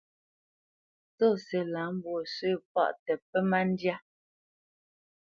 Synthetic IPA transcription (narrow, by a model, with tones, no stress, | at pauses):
to˦˨sɛ˨la˨˦m˦bwo˨se˦˨p̚a̰˦˨ʔtɛ˨pɛ˦ma˦n˦dja˦